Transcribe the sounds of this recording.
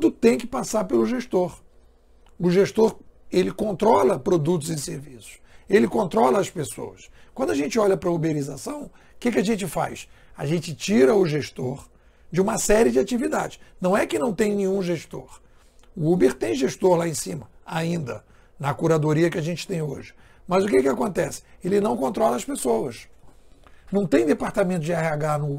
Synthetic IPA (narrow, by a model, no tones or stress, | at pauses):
d̪ʊt̪ẽj̃kɪ̥pasaɾpelʊʒeʃt̪oɾ | ʊʒeʃt̪oɾelɪkõnt̪ɾɔlɐpɾod̪ut̪ʊzẽseɾvisʊ̥selɪkõnt̪ɾɔlɐːspeso̰wɐskwɐ̃d̪ʊaʒẽnt͡ʃɪɔʎɐpɾɐubeɾizasɐ̃w̃ | kɪk̬ɪaʒẽnt͡ʃɪfa̰jsa̰ʒẽnt͡ʃɪt͡ʃiɾɐʊʒeʃt̪oɾ | d͡ʒɪũmɐsɛɾɪd͡ʒɪat͡ʃivid̪a̰d͡ʒɪʃnɐ̃w̃ɛkɪnɐ̃w̃t̪ẽj̃nẽɲũʒeʃt̪o̰ɾ | ʊubeɾt̪ẽj̃ʒeʃt̪oɾlaẽsĩmɐaĩnd̪ɐ | nɐkuɾad̪oɾiɐkɪaʒẽnt͡ʃɪ̥t̪ẽj̃o̰ʒɪ | mɐzʊkekɪakõnt̪ɛsɪ̥elɪnɐ̃w̃kõnt̪ɾɔlɐɐspesowɐs | nɐ̃w̃t̪ẽj̃d̪epaɾt̪amẽt̪ʊd͡ʒɪahiaɡanʊ